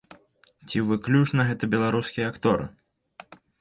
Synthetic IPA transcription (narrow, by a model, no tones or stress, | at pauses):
t͡sʲivɨklʲut͡ʂnɐɣɛt̪ɐbʲɛlˠaɾuskʲijɐakt̪ɔɾɨ̰